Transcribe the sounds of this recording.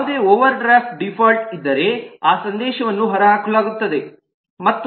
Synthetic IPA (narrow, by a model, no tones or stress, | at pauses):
ud̪e̞ːoːʋɐɾɖɾaːp̚ʈ̚ɖipʰɐɾʈ̚id̪ːɐɾe̞aːsɐnd̪ɛːʃɐʋɐnːuɦɐɾɐɦaːkɐɭaːɡut̪ːɐd̪e̞ | mɐt̪ːu